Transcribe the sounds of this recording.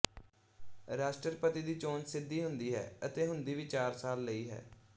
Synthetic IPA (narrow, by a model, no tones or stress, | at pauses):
ɾaːsʈəɾpət̪iːd̪iːt͡ʃoːnsɪd̪ːiːɦʊnd̪iːɦɛ̰ːət̪eːɦʊnd̪iːʋiːt͡ʃaːɾsaːlːəiːɦɛ̰ː